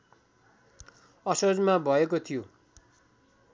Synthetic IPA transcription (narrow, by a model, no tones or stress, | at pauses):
ʌsod͡zmabʱʌekot̪ʰijo